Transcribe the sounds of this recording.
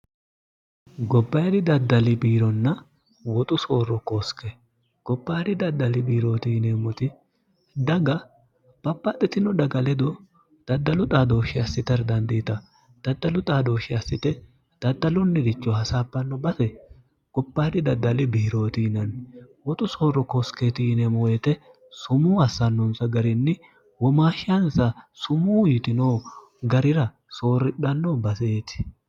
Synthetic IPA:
ɡɔbːɐjdɪd̪ɐd̪ːɐlɪbiːɾɔnːɐ | wɔt̪ʼʊsoːɾɔkoːskɛ | ɡ̥ɔpːaːɾɪd̪ɐd̪ːɐlɪbiːɾo̞ːt̪iːneːmɔt̪ɪ | d̪ɐɡɐ | pɐpːat̪ʼːɛt̪ɪnɔd̪ɐɡɐlɛd̪ɔ | d̪̥ɐd̪ːɐlʊt̪ʼaːd̪o̞ːʃɪɐsːɪt̪ɐɾd̪ɐnd̪iːt̪ɐ | d̪̥ɐd̪ːɐlʊt̪ʼaːd̪o̞ːʃɪɐsːɪt̪ɛ | d̪̥ɐd̪ːɐlʊnːɪd̪ɪt͡ʃːɔhɐsaːbːɐnːɔbɐsɛ | ɡ̥ɔpːaːd̪ɪd̪ɐd̪ːɐlɪbiːɾo̞ːt̪inɐnwɔt̪ʼʊso̞ːrɔkosket̪inɛmɔjɛt̪ɛ | sʊmuːɐsːɐnːʊnsɐɡɐɾɪnːɪ | wɔmaːʃɐnsɐsʊmuːjɪt̪ɪnoː | ɡɐɾɪɾɐ | so̞ːɾɪᶑɐnːobɐseːt̪ɪ̥

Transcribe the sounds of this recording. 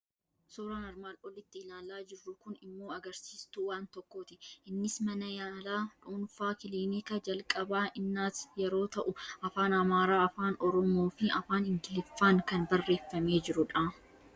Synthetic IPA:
suːɾɐnɐɾmaːlɔlɪt̪ːɪɪlaːlaːd͡ʒɪrːʊkʊnɪmːo̞ːɐɡɐɾsiːst̪uwaːnt̪ɔkːoːt̪ɪʔɪnːɪsmɐnɐjaːlaːᶑuːnfaːkɪliːmikɐd͡ʒɐlkʼɐbaːʔɪnːaːsjɛɾo̞ːt̪ɐʔʊɐfaːnɐmaːɾaːɐfaːnɔɾɔmoːfɪɐfaːnɪŋɡɪlɪfːaːŋkɐnbɐrːe̞ːfːɐme̞ːd͡ʒɪɾʊᶑa

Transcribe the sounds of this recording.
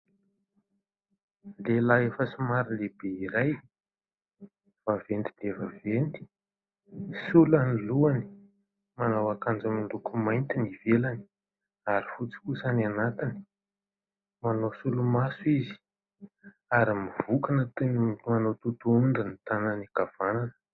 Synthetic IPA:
lelaefəsimaɾileb̥eiɾaj | v̥avend̪id̪̥evavend̪i̥ | sulaniluani̥ | manawakand͡zamind̪ukumajnt̪inivelani̥ | aɾifut͡si̥kusanianat̪ini̥ | manosulumasuizi̥ | aɾimiv̥ukanət̪unmanot̪ut̪uund̪init̪ananiɡav̥ananə̥

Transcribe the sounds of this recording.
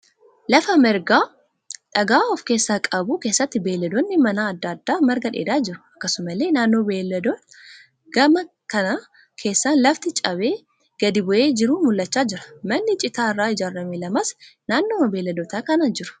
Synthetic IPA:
lɐfɐmɛɾɡaː | ᶑɐɡaːɔfke̞ːsːaːkʼɐbuːke̞ːsːɐt̪ːɪbe̞ːlːɐd̪onːɪmɐnaːd̪ːɐd̪ːaːmɐɾɡɐᶑḛːd̪aːd͡ʒɪɾʊ̥ɐkːɐsʊmɐle̞ːnaːnːo̞ːbeːlːɐd̪on | ɡ̥ɐmɐ | kɐna | kʰe̞ːsːaːnlɐft̪ɪt͡ʃʼɐbe̞ː | ɡ̥ɐd̪ɪbʊʔe̞ːd͡ʒɪɾuːmʊlːɐt͡ʃːaːd͡ʒɪɾɐ̥mɐnːɪt͡ʃʼɪt̪aːɪrːaːɪd͡ʒaːɾːɐmeːlɐmɐsnaːnːoːmɐbeːlːɐd̪ot̪aːkɐnad͡ʒɪɾʊ̥

